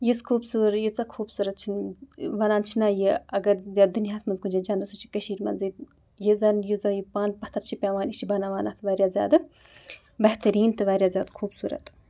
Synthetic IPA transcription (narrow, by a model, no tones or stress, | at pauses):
jiskʰuːbsuːɾjit͡sɐkʰuːbsuːɾɐt̪̚t͡ʃʰinʋɐnaːnt͡ʃʰinaːjiɐɡɐɾzʲaːd̪uniɦaːsmɐnzkund͡ʒad͡ʒaːnd̪ɐsut͡ʃʰi̥kɐʃiːɾmɐ̰nzɨ | jizɐnjizɐjipaːnpɐht̪ʰɐɾt͡ʃʰipʲaːʋaːnit͡ʃʰibɐnaːʋaːnaːt̪ʰɨʋaːɾʲjaːzʲja̰ːd̪ɨ | bɐht̪ɐɾiːnt̪ɨʋaːɾjaːzʲaːd̪kʰuːbsuːɾɐ̰t̪